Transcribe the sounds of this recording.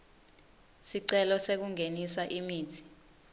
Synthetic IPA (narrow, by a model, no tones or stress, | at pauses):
siǀɛlɔsek̬uŋenisaʔimiːtʰi̥